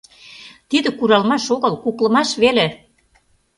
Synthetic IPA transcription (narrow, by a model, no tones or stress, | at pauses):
t̪id̪ə̆kuɾɑlmɑʃoɣəlkuklə̆mɑʃβele